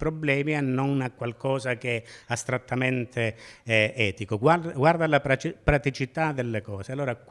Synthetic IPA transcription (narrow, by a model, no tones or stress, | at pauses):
pɾoblɛːmianːɔnakːwalkɔːzakeɛast̪ɾat̪ːament̪ʰeɛɛːt̪ikoɡwaɡward̪alapat͡ʃpɾat̪it͡ʃit̪ad̪elːekɔːsealːoːɾak